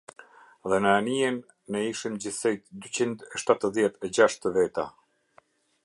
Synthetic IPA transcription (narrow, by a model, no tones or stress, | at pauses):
ðɛnəanijɛnː | ɛiʃimd͡ʑiθsɛjt̪d̪yt͡ɕind̪ɛʃt̪at̪əðjɛt̪ɛd͡ʑaʃt̪əvɛt̪a